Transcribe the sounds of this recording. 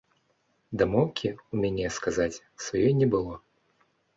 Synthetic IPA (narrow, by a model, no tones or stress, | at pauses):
d̪amɔwkʲiumʲɛnʲɛjskazat͡sʲ | svajɔjnʲɛbɨlˠɔ